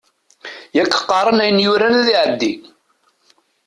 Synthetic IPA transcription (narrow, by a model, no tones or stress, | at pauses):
jækːə̥qːɑɾˤənæjənjʊɾænæðiʕəd̪ːi